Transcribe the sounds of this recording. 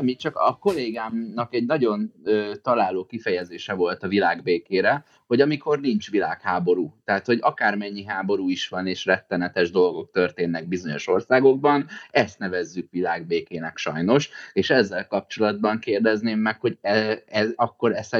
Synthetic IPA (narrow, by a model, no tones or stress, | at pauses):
mit͡ʃɒkɒko̞leːɡaːmnɒkɛɟnɒɟo̞nøːt̪ɒlaːloːkifɛjɛzeːʃɛvo̞lt̪ɒvilaːɡbeːkeːɾɛ | ho̞ɟɒmiko̞rnint͡ʃʋilaːkhaːbo̞ɾuːt̪ɛːt̪ho̞ɟɒkaːrmɛɲːiɦaːbo̞ɾuːiʃʋɒneːʃrɛt̪ːɛnɛt̪ɛʒd̪o̞lɡo̞k̚t̪ørt̪eːnːɛɡ̚bizo̞ɲo̞̰ʃo̞rsaːɡo̞ɡ̚bɒnɛst̪nɛvɛzːykʋilaːɡbeːkeːnɛkʃɒ̰jno̞ʃeːʃɛzːɛlkɒp̚t͡ʃo̞lɒd̪̚bɒŋkeːrd̪ɛzneːmːɛkho̞ɟɛɛzɒkːo̞ɾɛs